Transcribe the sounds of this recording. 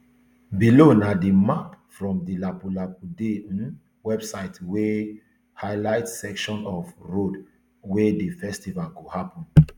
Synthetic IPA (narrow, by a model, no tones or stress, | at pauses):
bilonadimapfɹɔ̃mdilapulapude | wɛbsaɪtwe | haɪlaɪtsɛkʃɔ̃nɔfɹod | wedefɛstivalɡohapɔ̃n